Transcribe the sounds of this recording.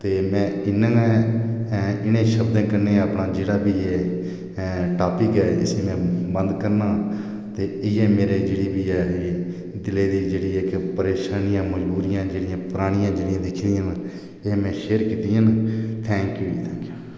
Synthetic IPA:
t̪eːmɛ̃ːɪnːãːɛ̃ː | ɪñẽːʃəbd̪ẽːkəɾneːəpnaːd͡ʒeːɽaːbiːeː | ʈaːpikɛːɪ̰seːmɛ̃ːbə̃nd̪kəɾnaː | t̪eːɪɛːmeːɾeːd͡ʒeːɽiːbiːɛːeː | d̪ɪleːd̪iːd͡ʒeːɽiːɛːkɪpəɾeːʃaːnɪjãːməd͡ʒbuːɾijãːd͡ʒeːɽɪjãːpʊɾaːɽ̃ɪjãːd͡ʒeːɽɪjãːd̪ɪkʰːd̪ijãːn | emɛ̃ːʃeːəɾkiːt̪iãːnt̪ʰɛ̃ːŋkjuːt̪ʰɛ̃ːŋkjuː

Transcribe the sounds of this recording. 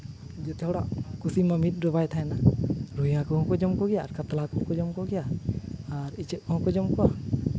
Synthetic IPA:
d͡ʒɛt̪ɛɦɔɽaʔkusimamit̪̚ˀɾɔbajt̪ʰaɛnaɾuiakɔɦɔ̃kɔd͡ʒɔmkɔɡɛjaːɾkat̪alakɔɦɔ̃kɔd͡ʒɔmkɔɡɛjaaɾit͡ʃɛp̚kɔɦɔ̃kɔd͡ʒɔmkɔa

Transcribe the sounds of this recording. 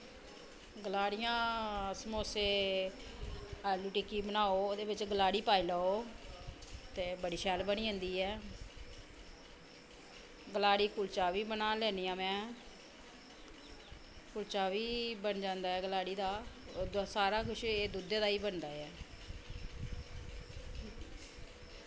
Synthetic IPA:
ɡəlaːɽɪjãːsəmoːseː | ɛːluːʈiːkiːbənaːoːoːd̪eːʋɪt͡ʃɡəlaːɽiːpaːiːləːoː | t̪eːbəɽiːʃɛːlbəniːɦə̃nd̪iːɛː | ɡəlaːɽiːkʊlt͡ʃaːʋiːbənaːlɛːniːãːmɛ̃ː | kʊlt͡ʃaːʋiːbənd͡ʒãːnd̪aːɛːɡəlaːɽiːd̪aː | saːɾaːkʊʃeːd̪ud̪eːd̪aːiːbənd̪aːɛː

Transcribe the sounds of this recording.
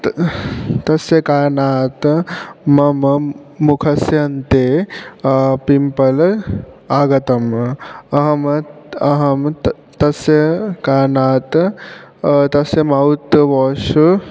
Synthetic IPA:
t̪ɐsjɐkaːɾnaːt̪mɐmɐmukʰɐsjɐnt̪eː | pimpɐl | aːɡɐt̪ɐmɐɦɐmɐɦɐm | t̪ɐsjɐkaːɾnaːt̪ | t̪ɐsjɐmaut̪ʋɔːʃu

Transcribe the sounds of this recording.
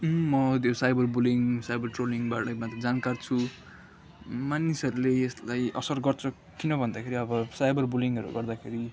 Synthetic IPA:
mʌt̪josajbʌrbuliŋsajbʌrʈroliŋbaʈʌmat̪ed͡zankart͡sʰu | manisʌɾuleeslajʔʌsʌrɡʌrt͡sʰʌ | kinʌbʱʌnd̪akʰeɾiʌbʌsajbʌrbuliŋʌɾṵɡʌrd̪akʰeɾi

